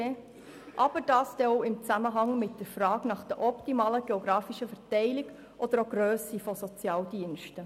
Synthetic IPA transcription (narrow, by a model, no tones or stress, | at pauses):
e | ʔɑb̥əɾd̥ɑːsd̥ɛoʊɪmt͡sæməɦɑŋmɪt̚d̥əɾfɾɑːknɑχd̥əʔɔptimɑːləɡ̥eoɡɾɑːfiʃəfɛɾtɛɪlɪɡ | ʔɔd̥̪əɾoɡɾøːsifɔsɔt͡sjɑːldiənʃtə